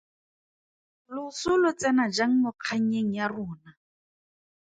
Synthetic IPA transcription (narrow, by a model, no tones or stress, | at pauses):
lʊsʊlʊt͡sɛnad͡ʒaŋ̩nɔq͡χʰaŋ̩eŋ̩jarʊːna